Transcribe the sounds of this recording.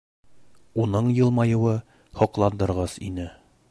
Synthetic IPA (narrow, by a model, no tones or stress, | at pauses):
unɤɴjɤ̆lˠmɑjɤ̆wɤ | hɒ̆qlˠɑnd̪ɤ̆ɾʁɑsḭnɘ